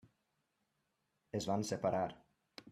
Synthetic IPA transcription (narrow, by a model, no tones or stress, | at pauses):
ezvansepaɾʔaɾ